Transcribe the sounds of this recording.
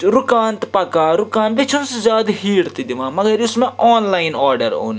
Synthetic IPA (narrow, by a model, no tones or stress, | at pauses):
ɾʊkaːnt̪pɐkaːɾʊkaːnbet͡ʃʰunszjaːd̪ɦiːɽt̪id̪ɪʋãːmɐɡɐɾʊsmẽʔɔːnlaːɪnɔːɾɖəɾo̰ːni